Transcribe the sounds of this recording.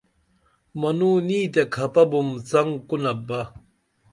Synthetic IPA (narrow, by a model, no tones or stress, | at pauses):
mɐnuniːt̪ekʰɐpɐbumt͡sɐŋkunɐbɐ